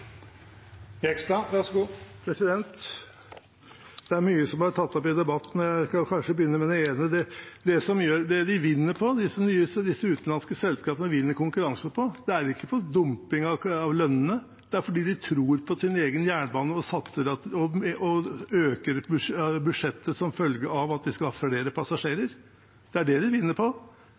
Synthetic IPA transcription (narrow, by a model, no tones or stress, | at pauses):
ɛkst̪ɑʋæsɡuːpʰɾɛsɪd̪ɛnt̪ | d̪̥ɛæɾmyːəsɔmɑʈʰɑt̪ːɔpɪd̪ɛbɑt̪ːnjæɪkɑkʰɑnʂəbəjʏnːəmɛd̪ɛeːnəd̪ɛd̪ɛsɔmjøːɾd̪ɛd̪ɪʋɪnːəɾpʰɔd̪ɪsːənyːəsəd̪ɪsːəʉːt̪n̩lɑnskəsɛlskɑːpənəʋɪnːəɾkʊŋkʉɾɑŋsənpʰɔd̪̥ɛæɾɪkːəpʰɔd̪ʊmpɪŋɑʋɑʋlœnːənə | d̪̥ɛæɾfɔɖiːd̪ɪt̪ʰɾuːɾpʰɔsɪneːɡənjæːɳəbɑːnəɔsɑt̪səɾɑt̪ɔʔɔøːkəɾbbʉd̪ʂɛt̪ːəsɔmfœlɡəɾɑʋɑt̪̚d̪ɪskɑlhɑːfleːɾəpʰɑsɑʂeːɾəɾ | d̪̥ɛæɖɛd̪ɪʋɪnːəpʰɔ